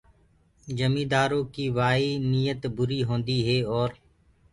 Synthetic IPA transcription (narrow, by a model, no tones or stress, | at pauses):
d͡ʒəmĩːd̪aːɾõːkiːʋaːiːniːjət̪bʊɾiːɦõːnd̪iːɦeːɔːɾ